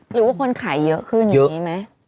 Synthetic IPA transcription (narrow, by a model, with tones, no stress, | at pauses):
ɾɯː˩˦waː˥˩kʰo˧nkʰaː˩˦jːɤ˦˥ʔkʰɯː˥˩nja˩˦ɲi˦˥ma˦˥j